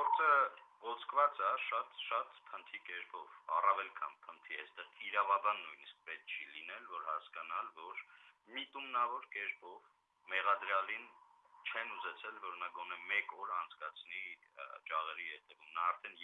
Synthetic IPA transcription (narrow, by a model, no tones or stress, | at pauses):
ɡɔɾt͡sʰəɔt͡sʰkʰvɑt͡sɑʃɑt̪ʃɑt̪pʰənt̪ʰikɛɾpʰɔvɑ̰rɑvɛlkʰɑ̰npʰənt̪ʰiɛ̰st̪ɛʁiɾɑvɑbɑnːujnisk̚pɛt̪̚t͡ʃʰilinɛlvɔɾhɑskɑnɑlvɔɾ | mit̪umnɑvɔɾkɛɾpɔv | mɛʁɑd̪ɾjɑlint͡ʃʰɛnuzɛt͡sʰɛlvɔɾnɑɡɔn̪ɛmɛkɔɾɑnt͡sʰkɑt͡sʰni | t͡ʃɑʁɛɾihɛt̪ɛvumnɑːɾt̪ʰɛn